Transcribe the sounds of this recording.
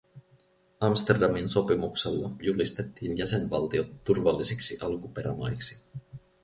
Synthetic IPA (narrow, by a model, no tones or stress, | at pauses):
ɑmst̪erdɑminso̞pimukselːɑjulist̪e̞t̪ːiːnjæse̞nʋɑlt̪iot̪ːurʋɑlːisiksiʔɑlkupe̞ɾæ̰mɑ̰jksi̥